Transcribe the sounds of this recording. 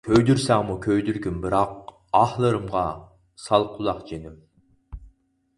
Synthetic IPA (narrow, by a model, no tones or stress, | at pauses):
kʲʰøjd̪yɾsæŋmukʲʰøjd̪yɾɡʲymbɨɾɑq̚ | ɑhlˠɨɾɨmʁɑ | sɑlˠqʰʊlˠɑqd͡ʒenym